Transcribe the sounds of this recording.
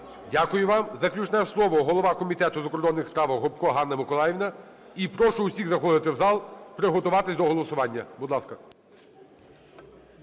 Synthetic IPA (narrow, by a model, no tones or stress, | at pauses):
dʲakʊjʊʋɑmzɐklʲut͡ʃnɛslˠɔʋɔɦɔlˠɔʋɑkɔmʲit̪ɛt̪ʊzɐkɔrd̪ɔnːɪxspɾɑʋɐɦɔpkɔɦɑnːɐmɪkɔlˠɑjɪʋʲnɐipɾɔʃʊusʲiɣzɐxɔd̪ɪt̪ɪwzɑlˠpɾɪɦɔt̪ʊʋɑt̪ɪsʲd̪ɔɦɔlˠɔsʊʋɑnʲːɐbʊd̪lˠɑskɐ